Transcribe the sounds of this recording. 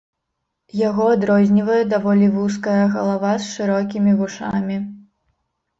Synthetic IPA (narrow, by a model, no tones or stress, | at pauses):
jaɣɔad̪ɾɔzʲnʲivɐjɛd̪avɔlʲivus̬kɐjɐɣɐlˠavasʂɨɾɔkʲimʲivuʂamʲi